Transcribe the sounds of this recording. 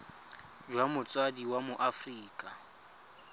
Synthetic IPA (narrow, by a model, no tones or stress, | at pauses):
d͡ʒwamʊt͡sʼwadiwamʊʔafriːkʼa